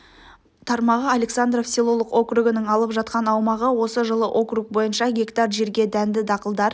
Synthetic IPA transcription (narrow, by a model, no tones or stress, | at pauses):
t̪ʰɑɾmɑʁəalʲe̞ksand̪ɾo̞fsilˠo̞lˠəqo̞kruɡɪnɪŋɑlˠəpʒɑt̪qɑnɑwmɑʁəwo̞səʒəlˠəʔo̞kruk̚bo̞jənʃɑɡʲe̞kt̪ɑrʒe̞ɾɡʲe̞d̪ænd̪ɪd̪ɑqəlˠd̪ɑɾ